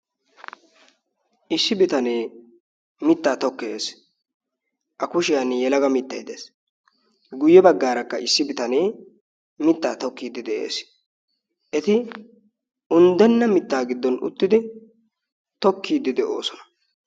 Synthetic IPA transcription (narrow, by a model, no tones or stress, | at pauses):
ʔɪsːɪbɪt̪ɐneː | mɪt̪ːaːt̪ɔkːeːs | ʔɐkʊʃɪjɐnjɛlɐɡɐmɪt̪ːɐjd̪eːs | ɡʊjːɛbɐɡːaːɾɐkːɐɪsːɪbɪt̪ɐne̞ː | mɪt̪ːaːt̪ɔkːiːd̪ɪd̪ɛʔe̞̰ːs | ʔɛt̪ɪ | ʊnd̪ɛnːɐmɪt̪ːaːɡɪd̪ːɔnʊ̰t̪ːɪd̪ɪ | t̪ɔkːiːd̪ɪd̪ɛʔo̞̰ːsɔnɐ̥